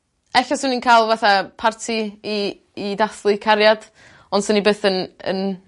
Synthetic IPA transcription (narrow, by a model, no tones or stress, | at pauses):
ɛɬɔsɪninkʰaːlˠvaθapʰartʰiiː | daθlˠɨkʰaɾjad̥ | ɔnd̥sənibeːθənə̰n